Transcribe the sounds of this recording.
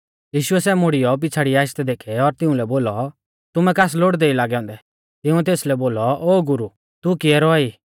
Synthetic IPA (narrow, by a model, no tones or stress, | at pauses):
jiːʃʊɛsɛːmoɽijɔp̬ɪt͡sʰaːɽiaːʃt̪ɛd̪eːkʰɛɔɾt̪ɪ̃ũlɛboːlɔ | t̪ʊmɛkaːs̬loːɽd̪eilaːɡɛɔ̃ːnd̪ɛ | t̪ɪũt̪eːslɛboːlɔʔoːɡʊɾu | t̪ukɪɛɾɔaiː